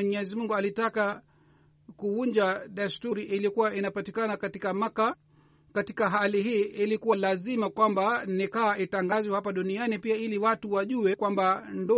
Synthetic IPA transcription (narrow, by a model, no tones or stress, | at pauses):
ɲɛzimuŋɡualitaka | kuuɲd͡ʒaɗastuɾiʔilikuwaʔinapatikanakatikamaka | katikaɦaliɦiːʔilikuwalazimakwambanikaːʔitaŋɡazihapaɗunianipiailiwatuwaʄuɛkwambandɔ